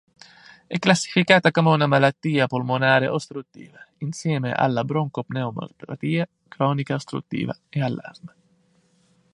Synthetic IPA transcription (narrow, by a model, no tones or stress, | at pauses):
ɛkːlasːi̥fikaːt̪akomeunamalat̪ːiːapolmonaːɾeʔost̪ɾut̪ːḭːvainsjɛːmḛʔa̰lːabɾoŋkopnɛumo̰rpɾa̰t̪iːa | kɾɔːnikaost̪ɾṵt̪ːḭːva̰ealːa̰rma